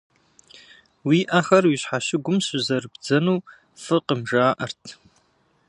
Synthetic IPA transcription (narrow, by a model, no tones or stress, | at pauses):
wiːʔaxɐrwiɕħaʃɪɡʷʊmɕʊzɐrɨbd͡zɐnuː | fɨqəmʒaːʔɐ̰rtʰ